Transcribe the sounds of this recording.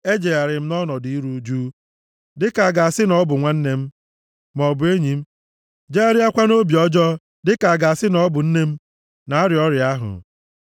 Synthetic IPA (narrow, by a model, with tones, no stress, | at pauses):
e˦d͡ʒe˨ɣa˨ɾɪ˨m̩˦nɔ˦nɔ˨di˨i˦ɾu˦d͡ʒuː˦ | dɪ˦ka˨a˨ɡa˨a˨sɪ˦nɔ˦bʊ˨ŋʷa˦n̩˦ne˦m̩˦ | mɔ˨bʊ˨e˦ɲi˨m̩˦ | d͡ʒe˦a˦ɾɪ˦a˦kʷa˦no˦bi˨ɔ˦d͡ʒɔ˦ | dɪ˦ka˨a˨ɡa˨a˨sɪ˦nɔ˦bʊ˨n̩˦ne˦m̩˦ | na˨a˦ɾɪ˨ɔ˦ɾjɪ˨a˦ɦʊ̰˨